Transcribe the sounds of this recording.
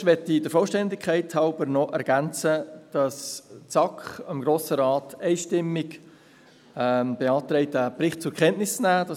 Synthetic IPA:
ʋɛtːidəfɔlʃtɛndɪkʰæɪthɑʊbəɾnɔʔɛɾɡ̥ænt͡səd̥ɑst͡sɑkχəmɡɾoːsəɾɑːtɛɪʃtɪmːɪɡ | b̥eɑːt̪rɛɪtəprɪχt̚t͡sʊɾkʰχɛntnɪsnæːd̥ɑ

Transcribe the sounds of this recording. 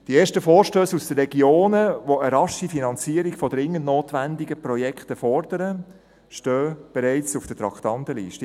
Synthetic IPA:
d̥ieːʃtəfoːɾʃtøːsusd̥ərːɛɡjoːnəʋoəɾɑʃifinɑnt͡siːəɾiɡfɔd̥ɾɪŋːəndnoːtʋændiɡəpɾɔjɛkʰtəfɔɾd̥əɾə | ʃtøːb̥ɛɾɛɪt͡sufd̥ətɾɑkt̪ɑntəlḭːʃtə

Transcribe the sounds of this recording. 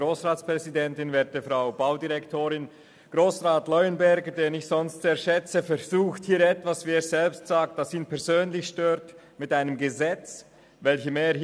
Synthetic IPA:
oːsʁaːtt͡spʁ̥ɛzidɛntɪnveːɐd̚dɛfʁaʊbaʊdiʁɛktʰoːɾɪn | ɡ̥ʁoːsʁaːtlɔʏənbɛɐɡədeːnɪçz̥ɔnstz̥eːɐʃɛt͡səfɛz̥uːxthiːɛtv̥asv̥iːeːsz̥ɛlpstz̥aːk̚td̥asiːnpʰɛɐzøːnlɪçʃtøːt | mɪtaɪnəmɡəzɛt͡s | vɛlçəmeː

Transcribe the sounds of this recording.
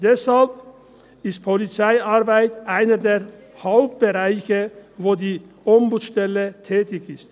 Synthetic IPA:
d̥ɛshalp̚ | ɪst̚pʰɔlit͡saɪʔaʁbaɪtʔaɪnədeːʁ | haʊp̚t̚b̥əʁaɪçəvoːdiː | ʔɔmbuːt͡sʃtɛlət̪ʰɛːtɪçɪst

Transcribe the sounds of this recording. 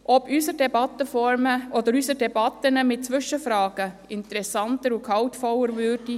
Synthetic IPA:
ʔɔbysəɾdɛbɑtːəfɔɾməʔɔd̪əɾysəɾdɛbɑt̪ənəmɪt̚t͡sʋʏʃəfɾɑːɡ̥əɪnt̪əɾɛsɑntəɾukʰɑltfɔlːəɾvʏːɾdi

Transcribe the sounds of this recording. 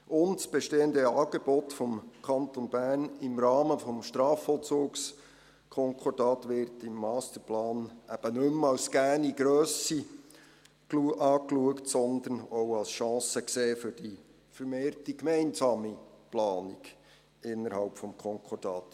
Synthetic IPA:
ʔʊntsb̥ɛʃteːənd̪əɑːɡ̥eb̥ɔtfɔmkʰɑnt̪ɔnbærnɪmɾɑːməfɔmʃtɾɑːfɔlt͡suːks | kʰɔŋkʰɔdɑːtʋɪɾtɪmːɑːst̪əɾplɑːnæb̥ənɵmɑlsɡ̥æniɡ̥ɾøːsi | kuʔɑːkluəktsɔnd̪ənowɑlsʃɑ̃ːsəkseːfʏɾd̥i | fəɾmeːrtikmɛɪnzɑːmiplɑːniɡ̥ | ɪnːəɾhɑ̰lpfɔmkʰɔŋkʰɔd̥ɑːt

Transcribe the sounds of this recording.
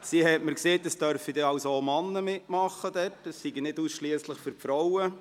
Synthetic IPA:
siɦɛtməɾkseːtdəsd̥œɾfid̥ɛɑwsoomɑnːəmɪtmɑχːəd̥ɛtəsːiɡinɪduːsʃliəsləχfʏɾpfɾɔwə

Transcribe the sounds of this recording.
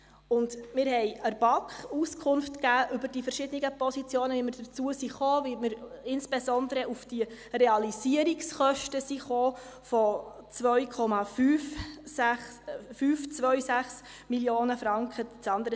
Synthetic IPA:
ʊndmɪːɾɦɛɪəɾb̥ɑkχuskʰʊnftkæːʔʏbəɾd̥ifəɾʃɪd̥̪əniɡəpɔsit͡sjoːnəʋimɪɾd̥əɾt͡suəsiχoːvimɪɾɪnsb̥esɔnd̪əɾəʔufd̥irɛɑliziəɾiksχœʃtəsiχoː | fɔ | t͡svœɥkʰɔmɑfyːfsæχ | fyft͡sʋœɥsæχs | miljoːnəfɾɑŋkʰət͡sɑnd̪əɾə

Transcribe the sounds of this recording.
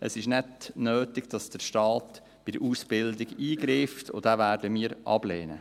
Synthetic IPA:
əsɪʃnɛdnøːtɪɡ̥d̥ɑsd̥əʃtɑːt | b̥ɪd̪əɾʔuːsb̥ɪldiɡiːɡɾiftʰo̰d̥̪ævæːɾdəmiːəɾʔɑ̰b̥leːnə̰

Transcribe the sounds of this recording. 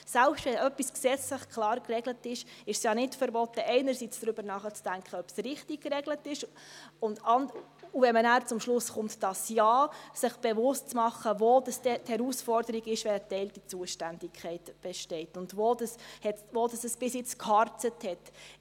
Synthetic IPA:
sɛlpʃtvɛnœpːisksɛt͡slɪχkʰlɑːɾkrɛɡlətɪʃɪʃsjɑːnɪtfəɾbɔtːəʔɛɪnəɾsit͡sd̥ɾʏb̥əɾnɑːχət͡sd̥æŋkχəœpsɾɪχtikkrɛɡlətɪʃ | ʊndɑnd | uvɛnmənæːɾt͡sʊmʃlʊsχʊmtd̥ɑsjɑːsɪχb̥evʊstt͡smɑχːəvoːd̥ɑsdɛthɛɾusfɔɾd̥əɾiɡɪʃʋɛnətːɛɪltit͡suəʃtænd̥ɪkʰχɛɪtb̥ɛʃtɛɪtʊndvoːdəshɛtvoːdɑsəsb̥ɪsjɪt͡skʰhɑrtəthɛt

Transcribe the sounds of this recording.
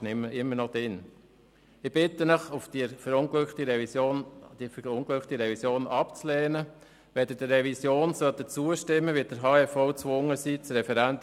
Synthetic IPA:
nɪməɪmːəɾnɔd̥̪ɪn | ɪb̥ɪtənəχʊfdifəɾʊnɡlʏt̪iɾɛond̥ifʊnklʏχt̪iɾɛvisjoːnʔɑpt͡slɛːnə | ʋɛd̥̪əd̥ərɛvisjoːnsœt̪ət͡suəʃtɪmːəʋid̥əɾɦɑːɛfɔʊt͡sʋʊŋəsit͡sɾɛfɛɾænt̪

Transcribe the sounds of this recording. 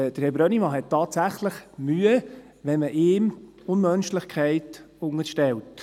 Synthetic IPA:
d̥əɾhɛbɾœnimɑɦɛt̚tːɑːtsæχləχmyːə | ʋɛnməʔɪːm | ʊnmœnʃlɪχkʰχɛɪtʊŋəɾʃtɛlt

